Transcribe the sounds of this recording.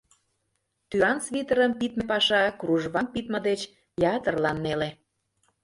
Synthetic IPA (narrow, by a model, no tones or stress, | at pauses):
t̪yɑnsβit̪ə̆ɾəmpit̪mĕpɑʃɑkruʒβɑmpit̪mə̆d̪et͡ɕ | jɑt̪ərlɑnːele